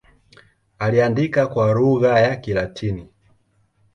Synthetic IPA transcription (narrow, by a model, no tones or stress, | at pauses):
aliandikakwaɾuɣajakilatʰini